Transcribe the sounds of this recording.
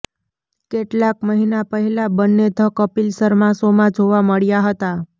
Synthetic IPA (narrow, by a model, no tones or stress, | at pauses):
keʈlakməɦinapəɦɛlabənːed̪ʱəkəpilsəɾmãsomãd͡ʒʱoʋaməɭjaɦət̪a